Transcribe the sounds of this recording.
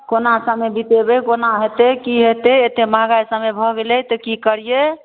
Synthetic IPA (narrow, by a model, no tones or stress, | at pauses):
konasəmebit̪ebekonaɦet̪ekiɦet̪eet̪emaɡajsə̃mebʱɔɡelɛt̪ɔkikəɾije